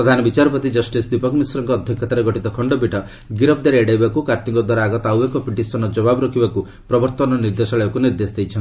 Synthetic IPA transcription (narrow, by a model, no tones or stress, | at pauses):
ɾɔd̪ʱanɔbit͡ʃaɾɔpɔt̪id͡ʒɔsʈisd̪ipɔkɔmisuɾɔŋkɔːd̪ʱjɔkʰːɔt̪aɾeɡɔʈit̪ɔkʰɔɳɖɔbiʈɔ | ɡiɾɔb̚d̪aɾeeɖajbakukaɾt̪iŋkɔd̪waɾaːɡɔt̪awekɔpiʈisɔnɔd͡ʒɔbabɔɾɔkʰibaku | pɾɔbɔɾt̪ɔnɔniɾd̪esɔɭebakuniɾd̪esd̪ejt͡ʃʰn